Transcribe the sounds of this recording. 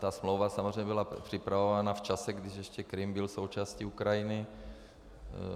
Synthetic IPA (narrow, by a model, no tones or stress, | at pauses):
t̪asmloʊʋasamɔzɾrɛjmɛbilapr̥ipɾavovanaft͡ʃasɛɡd̪iʒɛʃcɛkɾimbilsowt͡ʃasciukɾajinɪ